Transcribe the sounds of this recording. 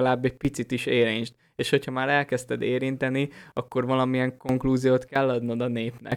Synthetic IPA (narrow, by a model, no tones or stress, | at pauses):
laːbːɛɟ̚pit̪sit̪iʃeːɾeːɲt͡ʃt̪ | eːʃho̞chɒmaːɾɛlkɛst̪ɛd̪eːɾint̪ɛniɒkːo̞rvɒlɒmiɛŋko̞ŋkluːzijoːt̪kɛlːɒd̪nod̪ɒneːpnɛ̰